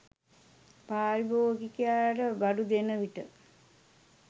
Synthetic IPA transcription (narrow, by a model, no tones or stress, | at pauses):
paːɾiboːɡikejaːɖəbaɖud̪enəʋiʈə